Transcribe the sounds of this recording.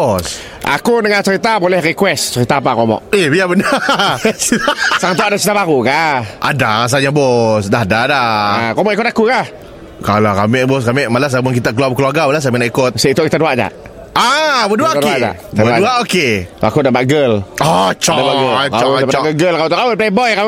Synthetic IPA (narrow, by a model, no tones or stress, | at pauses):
ɔs | ʔa̰kunəŋant͡ʃəɾit̪abolɛhrikwɛst͡ʃəɾit̪aːpakomɔ̰ʔebiabəna | asaŋat̪̬uaʔdat͡ʃit̪abaɾukaʔadas̬aɲabɔsdaadadaakomɔʔikʊt̪akukah | kalakamɪʔboskamɪʔmalas̬amʊnkit̪aʔkəluarbəkəluarɡabəlas̬aminaʔikʊt̪səit̪oʔkit̪aduaʔd͡ʒa̰ʔ | abəduaʔoadkead͡ʒa̰kit̪adaʔaʔoket̪ʔa̰kudabaɡəlat͡ʃadabaɡəkapaaɡəɡəlkawt̪ɔʔkawup̬lejbɔjka